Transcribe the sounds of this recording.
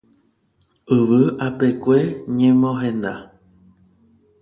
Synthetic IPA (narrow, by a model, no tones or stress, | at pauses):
ɨʋɨape̞kʷe̞ɲẽmõɦẽ̞nd̪a